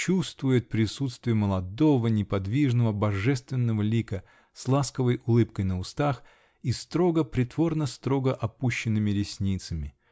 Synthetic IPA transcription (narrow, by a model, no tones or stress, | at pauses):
t͡ɕust̪vʊjɪt̪̚pɾʲɪsut̪st̪vʲɪjəməlˠɐd̪ovənʲɪpɐd̪vʲiʐnəvəbɐʐɛst̪vʲɪnːəvəlʲikə | slˠaskəvəjʔʊlˠɨpkəjnəʊst̪ax | ist̪ɾo̞ɡəpɾʲɪt̪vo̞rnəst̪ɾo̞ɡəʔɐpuɕːɪnːɨmʲɪɾʲɪsʲnʲit̪səmʲɪ